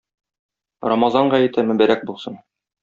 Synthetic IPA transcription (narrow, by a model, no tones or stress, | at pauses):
rɑmɑzɑɴɢɑjɘ̆t̪æmɵ̆bæɾæk̚bulˠsɤn